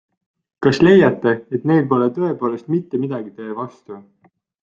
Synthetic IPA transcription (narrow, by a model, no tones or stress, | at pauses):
kɑsle̞jɑt̪ːe̞et̪ne̞jlpo̞let̪ɤe̞po̞ːle̞st̪mit̪ːe̞mid̪̥ɑɡ̥it̪e̞ːvɑst̪u